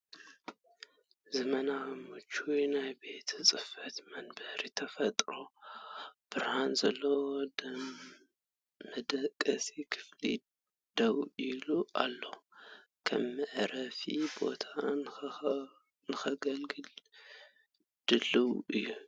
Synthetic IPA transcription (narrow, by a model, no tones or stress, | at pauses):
zɐmɐnamɨt͡ʃʰːujnajbe̞t̪ʰɨt͡sʼɨfɐt̪mɐnbɐhɾit̪ʰɐfɐt̪ʼɾo̞ | b̥ɨɾhanzɐlːod | mɐd̪ɐkʼːɐsikʰɨ̥flḭ | d̪̥ɐwiluʔa̰lːokʰɐ̰mːɨʕɾɐfibo̞̰t̪ʰa | nɨxɐɡɐlɡɨl | d̪̥ɨlːɨwɨjːu